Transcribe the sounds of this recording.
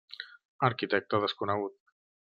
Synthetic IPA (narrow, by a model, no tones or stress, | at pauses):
əɾkit̪ɛk̚t̪əðəskunəɣ̞ut̪̚